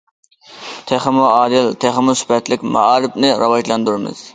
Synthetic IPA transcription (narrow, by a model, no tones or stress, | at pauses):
t̪ʰeχɪmuɑːd̪ɨlt̪ʰeχɪmusy̥pɛt̪lɪkʲmɑ̰ɑːɾɪpnɪɾɑwɑʒlˠɑnd̪uɾɪmɨ̰z̥